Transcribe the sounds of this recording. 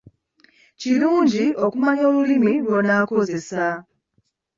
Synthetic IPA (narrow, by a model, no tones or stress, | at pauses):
ciluːɲɟiʔo̞kumaɲo̞ːlulimilwonaːko̞ze̞sa